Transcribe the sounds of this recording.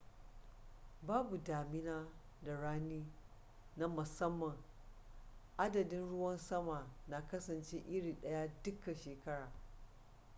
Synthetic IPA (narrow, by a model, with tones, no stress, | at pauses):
baː˦bu˨daː˨mɪ˦naː˦ | da˨ɽaː˦niː˦ | na˦mʊ˨sɐ˦mːɐ˨ŋ | ʔa˦dɐ˨dɪ˦nɽʊ˦wɐ˦nsɐ˦maː˨na˨kɐ˦sɐ˨nt͡ʃe˦ʔɪ˦ɽiː˨ɗɐ˦ja˦dʊ˦ka˨ʃeː˨kɐ˦ɽaː˨